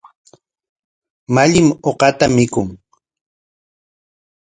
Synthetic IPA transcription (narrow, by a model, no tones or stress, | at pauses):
maʎɪmoqɑt̪amɪkʊŋ